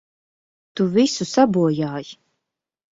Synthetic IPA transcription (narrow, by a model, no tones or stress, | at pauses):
t̪uvisusabuɔjaːj